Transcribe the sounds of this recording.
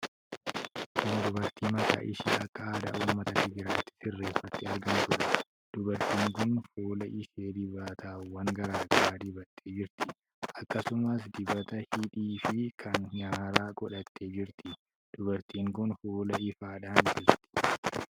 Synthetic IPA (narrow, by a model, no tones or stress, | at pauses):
kʊnd̪ʊbɐɾt̪iːmɐka̰ːʔɪʃḭːʔɐkːɐaːd̪ɐ̰ʔuːmːɐt̪ɐkɪɡɪɾaːt̪ːɪ̥sɪrːe̞ːfːɐt̪ːɪɐɾɡɐnt̪ʊɾɛ̥ | d̪̥ʊbɐɾt̪iːŋkʊnfoːlɐʔɪseːd̪ɪbaːt̪ʰaːwɐŋɡɐɾaːɡɐɾaːd̪ɪbɐt̪ʰːe̞ːd͡ʒɪɾt̪ɪ | ʔɐkːɐsʊmɐs̬d̪ɪbɐt̪ɐhɪᶑiːfɪkʰɐnɲaːɾaːkʼɔᶑɐt̪ʰːe̞ːd͡ʒɪɾt̪ɪ | d̪̥ʊbɐɾt̪iːŋkʊnfoːlɐɪfaːᶑaːnd͡ʒɪɾt̪ɪ̥